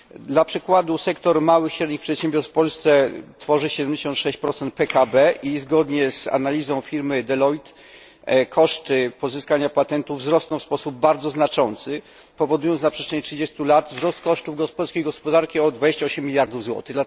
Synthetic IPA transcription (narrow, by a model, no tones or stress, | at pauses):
d̪lapʂɘkwad̪usɛkt̪ɔɾmawɘxɕɾɛd̪ɲixpʂɛt̪ɕɛ̃mbʲjɔɾsfpɔlst̪sɛt̪fɔʐɘɕɛd̪ɛmd͡ʑeɕɔ̃nt̪ʂɛɕt͡ɕpɾɔt̪sɛnt̪̚pɛkabɛʔizɡɔd̪ɲɛza̰nalʲizɔ̃w̃fʲiɾmɘd̪ɛlɔjt̪ | kʰɔʂt̪ɘpɔzɘskaɲapat̪ɛnt̪uvzɾɔsnɔ̃wfspɔsub̚baɾd̪zɔznat͡ʂɔnt̪sɘ | pɔvɔd̪ujɔnsnapʂɛtt͡ʂʂɛɲɛtʂɘd͡ʑest̪ulat̪vzɾɔst̪̚kɔʂtuvɡɔspɔlskʲejɡɔspɔd̪aɾkʲiɔd̪vad͡ʑeɕt͡ɕaɔɕɛmːʲilʲjaɾd̪uvzwɔ̰t̪ɘɣd̪la